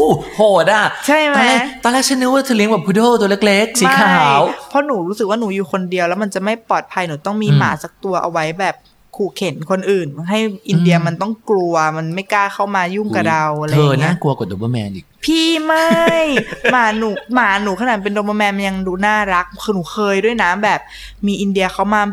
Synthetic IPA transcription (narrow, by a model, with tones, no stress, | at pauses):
o˧˥˩hʰoː˨˩daː˧˥˩t͡ɕʰa˥˩jma˧˦˧la˥˩˦t̪ɔː˧lɛː˦˥˩t͡ɕʰa˦˥nɯ˦˥waː˥˩t̪ʰɯː˧li˦ŋbɛ˨˩pʰuː˧˥doː˥˩˨t̪u˧le˦˥k̚le˦˥k̚si˨˩ma˦kʰaː˧˩ɦaː˨˩˦wpʰɔ˦˥nuː˩˦ɾuː˦˥sk̚waː˥˩nuː˩˦juː˨˩kʰo˧ndi˧əwlɛ˦˥wma˧nt͡ɕa˨˩ma˥˩jpɔː˨˩t̪̚pʰa˧jnuː˩˦t̪ɔ˥˩ŋmiː˧ma̰ː˩˦sa˨˩k̚t̪u˧ɐʔa̰˧wa˦˥jbɛː˨˩p̚ | kʰuː˨˩kʰe˩˦nkʰo˧nʔɯː˨˩nɦa˥˩jʔi˧ndi˧ɐ˧ma˧nt̪ɔ˥˩ŋklu˧ɐma˧nma˥˩jkaː˥˩kʰa˥˩wmaː˧ju˥˩ŋka˧da˧wʔa˧ɤː˧naː˥˩ku˧ɐko˨˩do˧bɤ˧mɛ̰ː˧nʔiː˨˩k̚pʰiː˥˩ma˥˩jmaː˨˩˦nuː˨˩˦maː˩˦nuː˩˦kʰa˧naː˨˩˨pe˧ndoː˧bɤ˧mɛː˧nma˧nja˧ŋduː˧naː˥˩ɾa˦˥k̚ʰːnuː˩˦kʰɤː˧jdu˥˩əjnaː˦˥mbɛː˨˩p̚ | miː˧ʔi˧ndi˧ɐ˧kʰa˦˥wmaː˧